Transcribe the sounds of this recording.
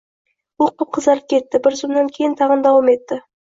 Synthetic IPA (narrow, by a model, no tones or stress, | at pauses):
woqəp̚qʰəzɑlˠəp̚kʲʰe̞t̪ːɪbɪɾzomd̪aŋkʲʰe̞jɪnt̪ʰɑʁənd̪ɑwɑme̞t̪ːɪ